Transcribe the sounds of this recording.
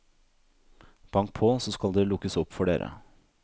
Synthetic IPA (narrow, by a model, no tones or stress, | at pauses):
b̥ɑŋkt̪̚pʰoːsoːskɑld̪eːlʊkːəsɔpːfɔɖeːɾʔə̰